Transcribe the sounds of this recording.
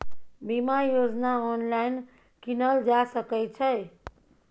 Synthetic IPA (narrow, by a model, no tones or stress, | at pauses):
bimajod͡ʒnaɔnlajn | kinəld͡ʒasəkəjt͡ʃʰə